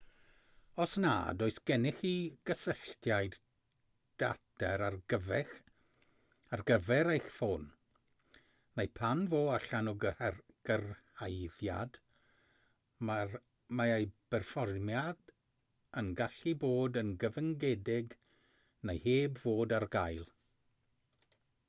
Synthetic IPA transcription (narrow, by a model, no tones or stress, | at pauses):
ɔsna̰ːdɔɨsɡ̥ɛnɪxiɡ̥əsəɬtʰjajd | d̥a̰tʰɛɾarɡəvɛx | arɡəvɛɾejxfon | nejpʰanvoːaɬanu | ɡ̥ərhajðja̰d̥ | ma | maejb̥ɛrfɔrmjad̥ | ənɡaɬiboːdənɡəvəŋɡɛdɪɡ | nejheːbvoːdarɡajlˠ